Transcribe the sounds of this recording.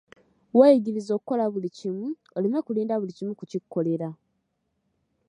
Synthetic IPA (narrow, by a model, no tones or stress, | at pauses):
weːjiɟiɾizo̞kuko̞laβulicimu | olimekuliːndaβulicimukucikːo̞le̞ɾa